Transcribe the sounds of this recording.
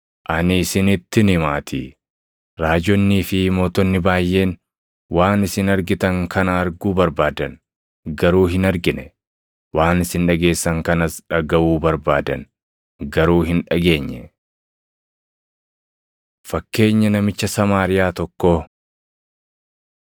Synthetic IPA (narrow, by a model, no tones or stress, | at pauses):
ʔɐnɪːsɪnɪt̪ːɪnɪmaːt̪ʰɪ̰ | ɾaːd͡ʒɔnːiːfɪmo̞ːt̪ɔnːɪbaːjːe̞ːn | waːnɪsɪnɐɾɡɪt̪ɐŋkʰɐnɐːɾɡuːbɐɾbaːd̪ɐn | ɡɐɾuːɦɪnɐɾɡɪnɛ | waːnɪsɪnᶑɐɡe̞ːsːɐŋkɐnɐsᶑɐɡɐʔuːbɐɾbaːd̪ɐn | ɡɐɾuːɦɪnᶑɐɡe̞ːɲːɛ | fɐkːe̞ːɲːɐnɐmɪt͡ʃːɐsɐmaːɾɪjaːt̪ɔkːo